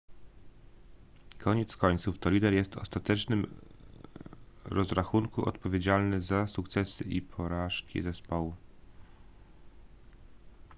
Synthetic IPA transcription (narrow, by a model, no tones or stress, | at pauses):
kʰɔɲɛt̪skɔɲt̪suft̪ɔlʲid̪ɛɾjɛst̪ɔst̪at̪ɛt͡ʂnɘm | ɾɔzɾaxuŋkuʔɔ̰t̪pɔvʲed͡ʑalnɘzasukt̪sɛsɘʔḭpʰɔɾaʂkʲḭzɛspɔwu